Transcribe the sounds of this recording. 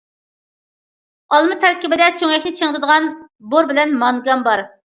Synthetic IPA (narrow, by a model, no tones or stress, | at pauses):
ɑlˠmɨt̪ʰɛɾkʲibɪd̪ɛsøŋɛkʲnɪt͡ʃʰeŋt̪ɨd̪əʁɑn | boɾbɪlɛnmɑŋɡɑmbɑɾ